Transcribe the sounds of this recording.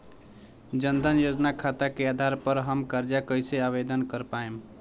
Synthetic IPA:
d͡ʒənd̪ʱənjod͡ʒnakʰat̪akead̪ʱaɾpəɾɦəmkəɾd͡ʒakəjseaβed̪ənkəɾpaem

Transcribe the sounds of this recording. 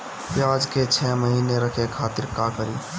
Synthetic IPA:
pjaːd͡ʒket͡ʃʰɛməɦiːneɾəkʰekʰaːt̪ɪɾkakəɾiː

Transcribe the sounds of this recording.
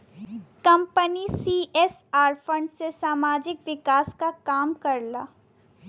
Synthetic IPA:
kɐ̃mpənisiːʔɛsaːɾfə̃ɳɖsesaːmaːd͡ʒɪkʋɪkaːskakaːmkɐɾla̰ː

